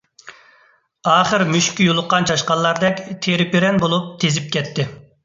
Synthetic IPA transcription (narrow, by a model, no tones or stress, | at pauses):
ɑːχəɾmyʃkʲijolˠʊqːɑnt͡ʃʰɑʃqɑlˠːɑɾd̪ɛkʲt̪ʰeɾɪpɪɾɛnbolˠup̚t̪ʰezɪp̚kʲʰɛt̪ʰːɪ